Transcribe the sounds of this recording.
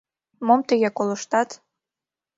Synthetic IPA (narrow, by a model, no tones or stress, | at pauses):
momt̪əɣekoləʃt̪ɑt̪